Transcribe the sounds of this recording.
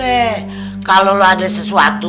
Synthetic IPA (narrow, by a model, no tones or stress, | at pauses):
e | kaloloadasəsuat̪u